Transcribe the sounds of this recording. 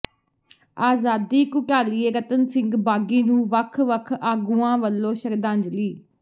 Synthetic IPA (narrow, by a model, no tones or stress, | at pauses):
aːzaːd̪iːkʊʈaːliːeːɡət̪ənsɪ̃ŋɡbaːɡiːnũːʋəkʰʋəkʰaːɡuːãːʋəlːõːʃəɾd̪ãːɲd͡ʒliː